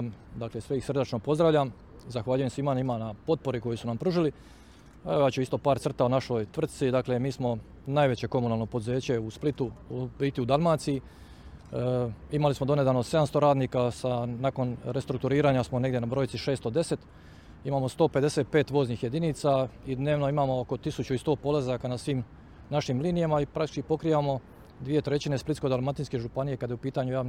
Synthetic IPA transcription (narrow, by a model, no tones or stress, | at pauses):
md̪akle̞sʋeixsrd̪at͡ʃnopo̞zd̪ɾaʋʎam | zaxʋaːʎuje̞msimanimanapo̞t̪̚po̞ɾiko̞jisunampɾuːʒili | eojaːt͡ɕuist̪o̞paːɾt̪ɾr̩t̪aunaʃo̞jt̪ʋr̩t̪̚t̪sid̪akle̞miːsmo̞ | najʋe̞t͡ɕe̞ko̞munaːlˠnopod̪uze̞ːt͡ɕeusplit̪ubit̪iud̪almaːt̪siji | imalismo̞d̪o̞ne̞d̪anose̞d̪amst̪o̞ɾaːd̪niːkasanako̞nɾest̪ɾuk̚t̪uɾiːɾaːɲasmo̞ne̞ɡd̪ʲje̞nabɾo̞jit̪siʃe̞ːst̪od̪e̞se̞t̪ | imaːmo̞st̪o̞ːped̪e̞set̪̚pe̞ːt̪ʋo̞ːzniːxje̞d̪iniːt̪said̪ne̞ːʋno̞imaːmo̞oko̞t̪isut͡ɕuist̪o̞ːpo̞lazakanasʋiːm | naʃimliːnijamaipɾakt̪it͡ʃkipo̞kɾiːʋamo̞ | d̪ʋije̞t̪ɾe̞t͡ɕine̞split̪sko̞d̪almat̪inske̞ʒupanijekad̪jeupiːt̪aɲujaːʋn